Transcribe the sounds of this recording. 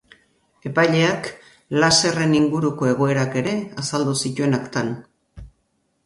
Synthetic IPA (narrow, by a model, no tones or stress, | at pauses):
e̞pajʎe̞ak | lase̞re̞niŋɡuɾuko̞e̞ɣ̞o̞e̞ɾake̞ɾe̞asald̪usit̪ue̞nakt̪an